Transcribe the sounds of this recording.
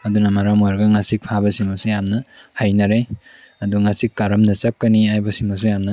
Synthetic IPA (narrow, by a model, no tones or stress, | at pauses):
ɐdunɐmaɾamɔɾɡɐŋasik̚pʰabɐsimɐsujamnɐhajnɐɾejɐduŋasikːaɾɐmnɐsap̚kɐniajbɐsimɐs̬ujamnɐ